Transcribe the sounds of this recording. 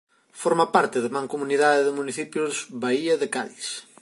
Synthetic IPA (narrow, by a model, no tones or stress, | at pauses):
foɾmapaɾt̪ɪðɪmãŋkomuniðaðɪðɪmuniθipjʊzβaiɐðɪkaðis